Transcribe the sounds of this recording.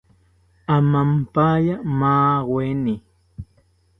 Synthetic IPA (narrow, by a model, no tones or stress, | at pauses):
amampajamaːwweni